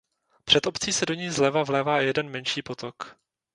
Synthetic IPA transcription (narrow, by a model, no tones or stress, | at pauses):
pr̝̥ɛt̪o̞pt͡siːsɛdoɲiːzlɛvavlɛːvaːjɛdɛnmɛnʃiːpo̞t̪ok